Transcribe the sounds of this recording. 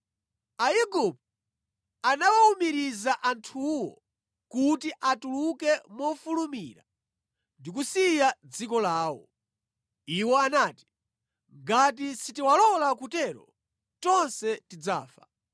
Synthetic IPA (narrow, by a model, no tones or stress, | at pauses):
ajiɡup̚ | anawaumiɾizaʔantʰuwɔ̰ | kutiʔatulukɛmɔfulumiːɾa̰ | ndikusijad͡zikɔlaːwɔ̰ | iwɔanaːti̥ | ŋɡat̬isitiwalɔlakutɛɾɔ̰ | tɔnsɛtid͡za̰ːfa